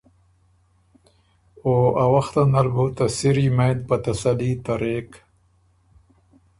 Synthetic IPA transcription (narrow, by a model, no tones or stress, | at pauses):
oawaxt̪anaɾbut̪asiɾimajd̪̚pat̪asalit̪aɾek